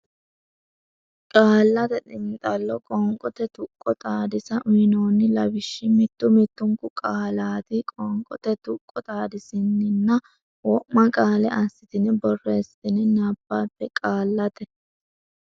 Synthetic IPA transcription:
kʼaːlːɐt̪ɛt̪ʼɪnt̪ʼɐlːɔkʼɔŋkʼɔt̪ɛt̪ʊkʼːɔt̪ʼaːd̪ɪsɐʔʊɪnoːnːɪlɐbɪʃːɪmɪt̪ːʊmɪt̪ːʊŋkʊkʼaːlaːd̪ɪkʼɔŋkʼɔt̪ɛt̪ʊkʼːɔt̪ʼaːd̪ɪsɪnːɪnːɐ | wɔʔmɐkʼaːlɛɐsːɪt̪ɪnɪbɔrːeːsɪt̪ɪnɪnɐbːaːpːɛkʼaːlːɐt̪ɛ

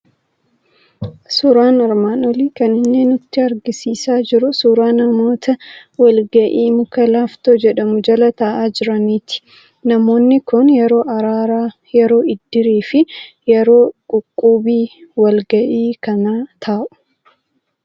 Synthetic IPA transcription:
sʊɾaːnɐɾmaːnɔliːkɐnɪnːeːnʊt̪ːɪɐɾɡɪsiːsaːd͡ʒɪɾʊsuːɾaːnɐmo̞ːt̪ʰɐwɐlɡɐʔiːmʊkɐlaːft̪oːd͡ʒɛᶑɐmʊd͡ʒɐlɐt̪ɐʔaːd͡ʒɪɾɐniːt̪ɪ̥ | nɐmo̞ːnːɪkʊnjɛɾo̞ːʔɐɾaːɾa | jɛɾo̞ːɪd̪ːɪɾiːfɪ | jɛɾo̞ːkʼʊkʼːuːbiːwɐlɡɐʔiːkɐnat̪ʰaːʔʊ̥

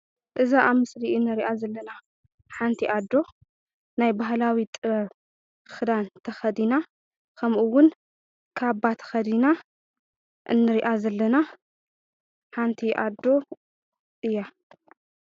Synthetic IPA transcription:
ʔɨzaʔamɨsɾiɨnːɨɾiʔazɐlːɐna | ħant̪ʰiʔad̪o̞ | najbaɦlawit̪ʼɨ | xɨd̪ant̪ʰɐxɐd̪ina | kʰɐmʔuwʊn | kʰaβbat̪ʰɐ̥xɐd̪ina | ʔɨ̰nːɨɾiʔazɐlːɐna | ħant̪ʰiʔad̪o̞ | ʔɨjːa

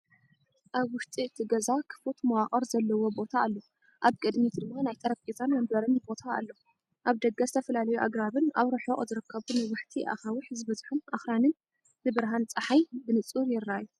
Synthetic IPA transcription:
ʔaβwʊʃt̪ʼiɨt̪ʰiɡɐzakʰɨ̥fot̪mɐwaχʼɐɾzɐlːɐwo̞bo̞t̪ʰaːlːo | ʔaβkʼɨd̪mid̪d̪ɨmːanajt̪ʰɐɾɐkʼizanmɐmbɐɾɨnbo̞t̪ʰa̰ːlːo | ʔaβd̪ɐɡazɨt̪ʰɐfɐlalɐjuʔa̰ɡɾaβɨnaβɾɨħoʔʼzɨɾɨkʰːɐβunajwaħt̪ʰiʔa̰xawɨħzɨβɐzħunaxɾanɨn | bɨbɨɾɦant͡sʼɐħajbɨnɨt͡sʼuɾjɪɾːajːu

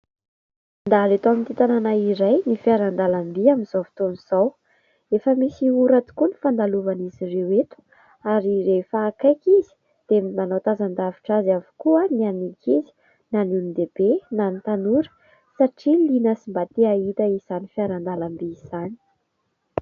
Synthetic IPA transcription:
nd̪alet̪oamint̪it̪ananaiɾajnifiaɾand̪alambiaminzofi̥t̪oniz̥aw | efəmisiuɾat̪u̥kuni̥fand̪aluvanizirewet̪u̥ | aɾiɾefaːkajkizi̥ | d̪̥eminanowt̪azand̪aviʈ͡ʂazavu̥kuənianikizi̥ | nanunind̪eb̥enanit̪anuɾə̥ | saʈ͡ʂilinəsimbat̪eait̪əiz̥anifiaɾand̪alambiːz̥ani

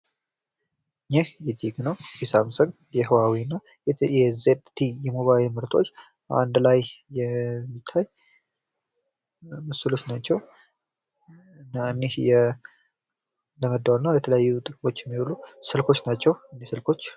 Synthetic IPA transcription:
ɨɲːehjɪd̪iɡnəwbisamsəŋ | jɛɦɨwawiɨnːa | jɛzet̪t̪ʰːijɛmo̞βajlmɨɾt̪ʰo̞̰t͡ʃː | a̰nd̪lajjɛmːit̪ʰːaj | mɨsɨlo̞t͡ʃːnat͡ʃːɛw | ɨnːaɨnːehjɛ | ləməd̪ːawnːəwlət̪ʰələjajːut̪ʼɨkʼmo̞t͡ʃːjɛmːihulusɨlkʰo̞t͡ʃːnat͡ʃːɛwɨnːehsɨlkʰo̞t͡ʃː

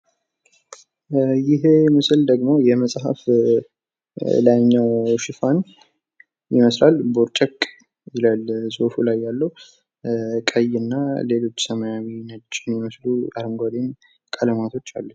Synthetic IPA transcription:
jɪɦemɨsɨld̪əɡmo̞jɛməsʼhə̰f | lajnːəwʃɪfan | jɪməslalboɾt͡ʃʼəkʼː | jɪlalzofulajːalːəw | kʼəjɨnːale̞lo̞t͡ʃːsəməjawinəd͡ʒʼɪnjɪməsluaɾɨŋɡʷad̪em | kʼʰələmat̪ʰo̞t͡ʃːa̰lːə

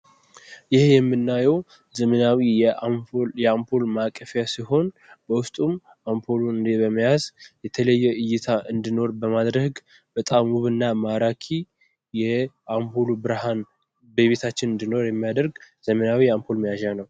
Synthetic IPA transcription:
jɪhjɛmːɨnːajɛw | zəmənawijɛjɛampʰolmakʼːəfjasiɦo̞n | bəwʊst̪ʼum | ʔampʰoloɨnd̪ebəmːijazjɛt̪ʰələjːɛʔɨjːɪt̪ʰaʔɨnd̪ino̞ɾbəmad̪ɾəɡ | b̥ət̪ʼamuβɨnːamaɾakʰi | jɛ | ampʰolubɨɾhan | beβet̪ʰat͡ʃːɪnɨnd̪ino̞ɾjɛmːijad̪əɾɡzəmənawijampʰo̞lmijaʒanəw

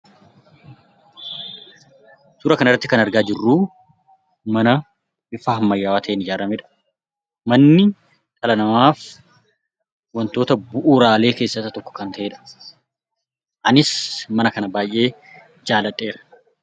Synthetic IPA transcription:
suːɾɐkɐnɪrːɐt̪ːɪkɐnɐɾɡaːd͡ʒɪrːuː | mɐnɐ | bɪfaːhɐmːɐjːaːwaːt̪ʰɐenɪd͡ʒaːɾɐmeᶑɐ̥ | mɐnːɪ | t̪ʼɐlɐnɐmaːf | wɐnt̪o̞ːt̪ɐbʊʔuːɾaːle̞ːke̞ːsːɐt̪ːɐt̪ɔkːɔ̥kɐnt̪ɐʔeːᶑɐ̥ | ʔɐnɪsmɐnɐkɐnɐbaːjʔe̞ː | d͡ʒaːlɐt̪ʼːe̞ːɾɐ̥

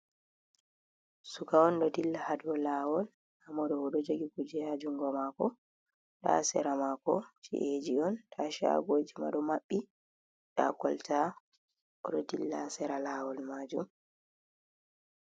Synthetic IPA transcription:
sukawɔnɗɔdilːahadɔlawɔl | hamɔɗɔɔɗɔd͡ʒeɡikud͡ʒɛhad͡ʒuŋɡɔmakɔ | ɗa̰sɛ̰ɾamakɔt͡ʃḭʔed͡ʒiɔntʰaʃa̰ɡoːd͡ʒima̰ɗɔmaɓːi | ɗa̰kɔlta | ʔɔɗɔdilːa̰sɛɾalawɔlmaːd͡ʒum

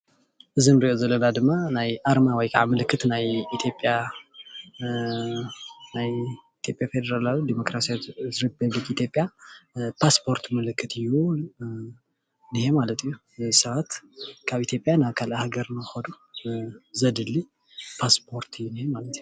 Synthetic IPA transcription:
ʔɨzinɾiʔozɐlːɐnad̪ɨmːanajʔaɾmawɔjkʰaʕamɨlɨkʰːɨt̪najit̪ʰjo̞pʼja | najit̪ʰjo̞pʼjafe̞d̪ɐɾalalud̪imokɾasijawzɾipʰɐβlikit̪ʰjo̞pʼjapʰaspʰo̞ɾt̪ʰmɨlɨkʰːɨt̪ʰɨjːu | nihemalɐt̪ʰɨjːu | zɛjsɐβat̪kʰaβit̪ʰjo̞pʼjanaβkʰalahaɡɐɾnɨɨxɐd̪u | zɐd̪ɨlːi | pʰaspʰo̞ɾt̪ʰɨjːunihemalɐt̪ɨju

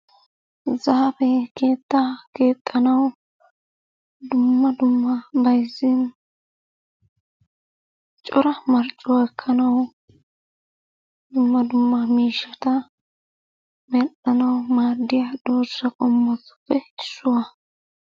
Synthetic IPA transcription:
zɐhɐfɛke̞ːt̪ːɐke̞ːt̪ʼːɐnɐw | d̪ʊmːɐd̪ʊmːɐbɐjzːɪn | t͡ʃʼɔɾɐmɐɾt͡ʃʼːʊwɐkʰːɐnɐw | d̪ʊmːɐd̪ʊmːɐmiːʃːɐt̪ɐ | mɛt̪ʼːɐnɐwmaːd̪ːɪjɐd̪̥oːsːɐkʼɔmːɔtːʊ̥pːɛɪsːʊwɐ

